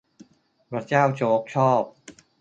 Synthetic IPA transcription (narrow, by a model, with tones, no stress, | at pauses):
pɾa˧˥t͡ɕaː˥˩wt͡ɕʰoː˦˥k̚t͡ɕʰɔː˥˩p̚